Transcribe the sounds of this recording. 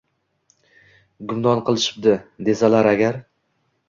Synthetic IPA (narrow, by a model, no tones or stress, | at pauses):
ɡʊmd̪ɒnqʰɨlˠɪʃɪ̥p̚d̪ɪd̪e̞salaɾaɡʲaɾ